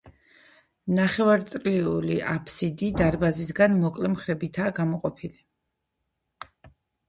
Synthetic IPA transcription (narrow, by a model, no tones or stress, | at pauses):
naχɛvaɾt̪sʼliuliʔapʰsid̪id̪aɾbazisɡanmɔkʼlɛmχɾɛbit̪ʰaːɡamɔqʼɔpʰili